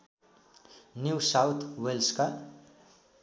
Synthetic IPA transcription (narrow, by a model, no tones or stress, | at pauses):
njusaʊt̪ʰwelska